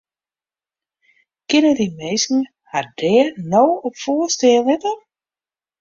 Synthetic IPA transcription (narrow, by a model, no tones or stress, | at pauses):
kɪnədimejskn̩ŋ̩ | had̥ɛːnowɔpfoːstɛːlˠɪtər